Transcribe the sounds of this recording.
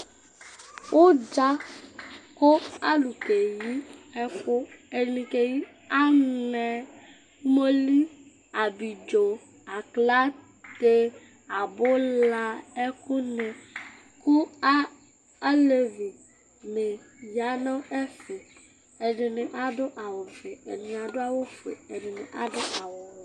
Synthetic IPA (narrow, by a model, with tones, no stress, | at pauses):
wʔo˦d͡ʒa˦ | ko˦a˦lu˨ke˨ji˦ɛ˦kʊ˦e˨nĩ˨ke˨ji˦ | a˦nɛ˨ | mo˦li˦ | a˨bi˨d͡ʒo˨ | a˨kla˦ | t̪e˦ | a˨bo˦la˨e˦ku˦nẽ˨ | kʊ˦a˦ | le˨vu˨ | ne˨ | ja˨nã˦e˦fe˨ | e˨ɖe˨ne˨ʔa˨dʊ˦ʔa˨wɔ˨ve˨ḛ˨nɪ̃˨n˨a˨ɖo˦a˦wo˦fḛ˨e˨ɖɪ˨ne˨ʔa˦dʊ˦ʔa˨wɔ˨ɛ˨